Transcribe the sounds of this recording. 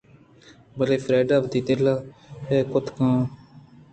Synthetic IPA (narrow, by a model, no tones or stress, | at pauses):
bəleːpʰɾɛːɖaːbt̪iːt̪elaːɦɛːkʊt̪ʰkãː